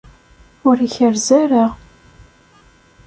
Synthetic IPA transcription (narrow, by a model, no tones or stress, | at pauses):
ʊɾiçəɾzæɾəʁ